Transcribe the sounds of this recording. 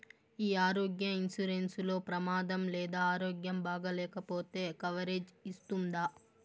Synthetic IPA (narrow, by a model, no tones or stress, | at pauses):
iːaːɾo̞ːɡjɐinsuɾenslo̞ːpɾɐmaːd̪ɐmlɛːd̪aːaːɾoːɡjɐmbaːɡɐlɛːkɐpo̞ːt̪e̞ːkɐʋɐɾeːd͡ʒist̪und̪aː